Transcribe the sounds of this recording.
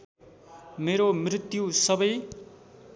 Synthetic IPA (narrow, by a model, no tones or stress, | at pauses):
meɾomrit̪jusʌbʌj